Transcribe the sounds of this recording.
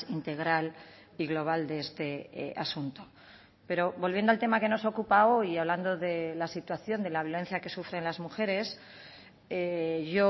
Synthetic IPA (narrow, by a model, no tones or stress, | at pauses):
int̪e̞ɣ̞ɾal | iɣlo̞β̞ald̪eest̪e̞̰a̰sunt̪o̞ | pe̞ɾo̞βo̞lβjendoalt̪e̞make̞no̞so̞kupao̞jaβland̪o̞ðe̞lasit̪waθjo̞nd̪e̞laβjo̞le̞n̟θjake̞sufɾe̞nlazmuxe̞ɾe̞s | eʝo